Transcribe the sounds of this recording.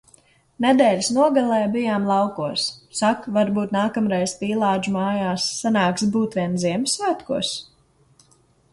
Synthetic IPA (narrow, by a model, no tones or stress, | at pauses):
nɛd̪ɛːlʲisnuɔɡalˠɛːbijaːmlˠɑwkuɔsːakvaɾbuːt̪naːkamɾɛjzpiːlˠaːd͡ʒmaːjaːsːanaːkst̪buːt̪vʲiɛnziɛmsvæːt̪kṵɔs